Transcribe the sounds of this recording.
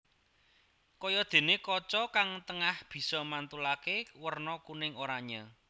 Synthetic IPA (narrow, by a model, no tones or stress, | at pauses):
kɔjɔd̪̥e̤nekɔt͡ʃɔkaŋt̪əŋahb̥i̤sɔmant̪ulakewərnɔkunɪŋoɾaɲa